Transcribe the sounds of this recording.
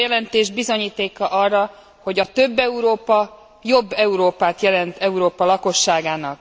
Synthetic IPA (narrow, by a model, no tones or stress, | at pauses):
jɛlɛnt̪eːʒbizo̞ɲiːt̪eːkɒʔɒrːɒ | ho̞ɟɒt̪ø̞bːɛuɾoːpɒ | jo̞bːɛuɾoːpaːt̪jɛlɛnt̪ɛuɾoːpɒlɒko̞ʃːaːɡaːnɒk